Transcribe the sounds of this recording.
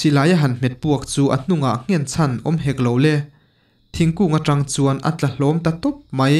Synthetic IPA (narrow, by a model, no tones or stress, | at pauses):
silaːjaɦɐnm̥ɛt̪̚puɐk̚t͡suːʔɐ̰n̥uŋaʔŋ̥ɛnt͡sʰɐnʔɔmɦɛk̚lowlɛ | t̪ʰiŋkuːŋaʈ͡ʂɐŋt͡suənʔa̰t͡ɬɐlɔmt̪ɐt̪ɔp̚mɐj